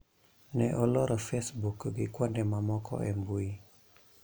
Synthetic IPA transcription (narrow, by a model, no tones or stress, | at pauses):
nɛʔɔlɔɾɔfɛsbukɡikwɔndɛmamɔkʰɔ̰ʔɛmbui